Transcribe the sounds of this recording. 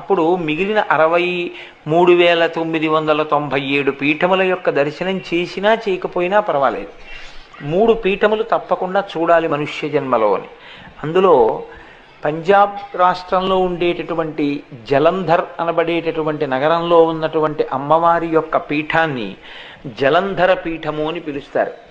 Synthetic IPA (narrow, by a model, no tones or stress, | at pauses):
ɐpːuɽumiɡilinɐʔɐɾɐʋɐj | muːɽuʋɛːɭɐt̪omːid̪iʋɐnd̪ɐlɐt̪o̞mbʱɐje̞ːɽupiːʈʰɐmulɐjɔkːɐd̪ɐɾʃɐnɐmt͡ʃeːsinaːt͡ʃeɛːjɐkɐpoːjinaːpɐɾɐʋaːlḛːd̪u | muːɽupiːʈʰɐmulut̪ɐpːɐkuɳɖaːt͡ʃuːɽaːlimɐnuʂjɐd͡ʒɐnmɐlo̰ːnḭ | ɐnd̪ulo̞ː | pɐɲd͡ʒaːbɾaːʂʈɾɐmlo̞ːuɳɖeːʈɐʈuʋɐɳʈid͡ʒɛlɐnd̪ʱɐɾɐnɐbɐɽeːʈɐʈuʋɐɳʈinɐɡɐɾɐmlo̞ːunːɐʈuʋɐɳʈiʔɐmːɐʋaːɾijɔkːɐpiːʈʰaːnːḭ | d͡ʒɛlɐnd̪ʱɐɾɐpiːʈʰɐmoːnipilust̪a̰ːɾu